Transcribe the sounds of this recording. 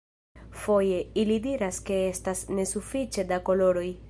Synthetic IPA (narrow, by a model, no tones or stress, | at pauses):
fo̞je̞ilidiɾaske̞e̞stasne̞sufit͡ʃe̞dako̞lo̞ɾo̞j